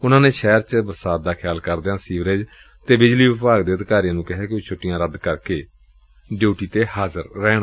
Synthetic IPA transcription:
ʊnãːneːʃɛːɾt͡ʃəbəɾsaːt̪̚d̪aːkʰjaːlkəɾd̪eːãːsiːʋɾeːd͡ʒ | t̪eːbɪd͡ʒliːʋɪpaːɡd̪eːəd̪kaːɾijãːnũːkɪɦɛːkoːt͡ʃʰoːʈːɪjãːɾəd̪kəɾkeː | ɖjoːʈiːt̪eːhaːzəɾːɛːɽ̃a

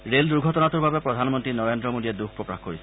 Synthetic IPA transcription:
ɾeld̪uɾɡʱɔtɔnat̪uɾbʱabepɾɔd̪ʱanmɔnt̪ɾinɔɾend̪ɾɔmod̪ied̪uk̚ʰpɾɔkɾaxkoɾis

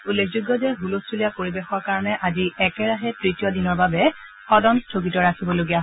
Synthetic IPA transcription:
ulːekʰd͡ʒuɡːɔzɛɦulostʰulijapoɹibexɔɹkaɹɔnɛʔaziɛkɛɹaɦɛtɹitijɔdinɔɹbabɛ | xɔdɔnstʰoɡitɔɹakʰibɔloɡijaɦ

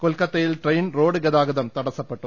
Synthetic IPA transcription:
kɔlkɐt̪ːɐjɪlʈrɐjnɾoːɽɯɡɐðaːɡɐðɐmt̪ɐɽɐsɐpːɐʈːɯ

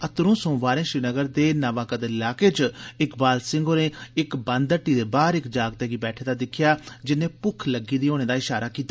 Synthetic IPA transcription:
ət̪ɾõːsõːʋaːɾẽːʃɾiːnəɡəɾd̪eːnaʋaːkəd̪eɪlaːkeːt͡ʃɪkbaːlsɪ̃ŋɡoːnẽːɪkbənd̪əʈːiːd̪eːbaːɾɪkd͡ʒaːɡt̪eːɡiːbɛːʈʰeːd̪aːd̪ɪkʰɪjaːd͡ʒɪnẽːpʊkʰləɡiːd̪iːoːneːd̪aːɪʃaːɾaːkiːt̪ːaː

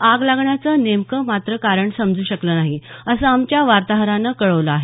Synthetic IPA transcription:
aɡlaɡɳjat͡sənemkəmat̪ɾəkaɾəɳsəmd͡zuːɕəkləːnaɦiəsəamt͡ɕjaʋaɾt̪aɦɾanːəkəɭəʋləaɦe

